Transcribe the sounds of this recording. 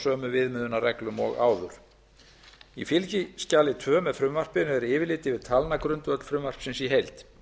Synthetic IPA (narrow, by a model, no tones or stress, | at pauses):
œːmʏvɪðmʏðʏnarɛklʏmɔ̰ɣa̰ːwðʏɾ̥ | ifɪlcɪscaːlɪt̪ʰvœːmɛfɾʏmvar̥pɪnʏɛɾɪːvɪlɪːt̪ɪvɪðt̪ʰalnakɾʏnt̪vœt̪l̥fɾʏmvar̥psɪnsiɦejlt̪